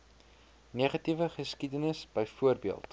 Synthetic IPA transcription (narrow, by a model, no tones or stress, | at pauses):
niːχɐtivəχəskidənəsbəjfuərbiəlˠt